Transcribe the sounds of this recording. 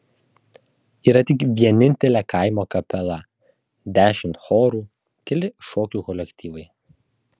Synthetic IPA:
iːɾɐt̪ʲɪkʋʲiɛnʲɪnʲt̪ʲɛlʲæːkʰɐɪmoːkɐpʲɛlˠɐ | d̪ʲæːʃʲɪmʲt̪xoːɾuː | kʲɛlʲɪʃɔːkʲuːkɔlʲɛkʲt̪ʲiːʋɐɪ

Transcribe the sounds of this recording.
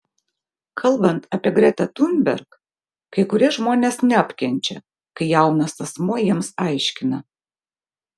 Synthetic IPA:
kʰɐlˠbɐnt̪ɐpʲiɛɡɾʲɛt̪ɐt̪unʲbʲɛ̰ɾk | kɐɪkʊɾʲiɛʒmoːnʲeːsnʲɛɐpʲkʲɛnʲt͡ʃʲɛ̰ | kɐɪjɛʊnɐsɐsmoːjiɛmsɐˑɪʃʲkʲɪnɐ

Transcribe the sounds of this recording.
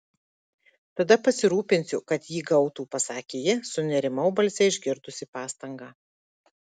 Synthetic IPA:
t̪ɐd̪ɐpɐsʲɪɾuːpʲɪnʲsʲʊkɐt̪jiːɡɐʊt̪uːpɐsɑːkʲeːjɛsʊnʲɛɾʲɪmɐʊbɐlʲsʲɛɪʒʲɡʲɪɾd̪ʊsʲɪpɑːst̪ɐŋɡɑː

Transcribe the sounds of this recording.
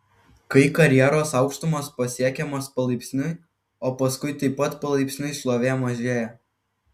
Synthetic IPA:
kɐɪkɐɾʲjɛɾoːsɑˑʊkʃt̪ʊmoːspɐsʲiɛkʲɛmoːspɐlˠɐɪpʲsʲnʲʊɪ | oːpɐskʊɪt̪ɐɪpːɐt̪pɐlˠɐɪpʲsʲnʲʊɪslˠoːʋʲeːmɐʒʲeːjɛ

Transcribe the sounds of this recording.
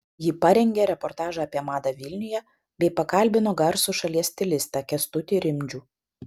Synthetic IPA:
jɪpɐɾʲɛŋʲɡʲeɾʲɛpɔɾt̪ɑːʒɑɐpʲiɛmɑːd̪ɑʋʲɪlʲnʲʊjɛ | bʲɛɪpɐkɐlʲbʲɪnoːɡɐɾsʊʃɐlʲiɛsʲt̪ʲɪlʲɪst̪ɑkʲɛst̪ʊt̪ʲɪɾʲɪmʲd͡ʒʲuː

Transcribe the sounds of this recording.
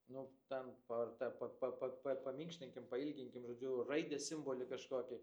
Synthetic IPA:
nʊt̪ʲɛnpɐrt̪ɐpɐpɐpɐpɐpɐmʲiːŋkʃʲt̪ʲɪŋʲkʲɪmpɐɪlʲɡʲɪŋʲkʲɪmʒoːd͡ʒʲʊrɐɪd̪ʲɛsʲɪmboːlʲɪkɐʃkoːkʲɪ

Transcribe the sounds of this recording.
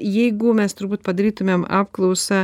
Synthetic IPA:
jɛɪɡʊmʲɛst̪ʊɾbuːt̪pɐd̪ɐɾʲiːt̪ʊmʲeːmɑːpklˠɐʊsɐ

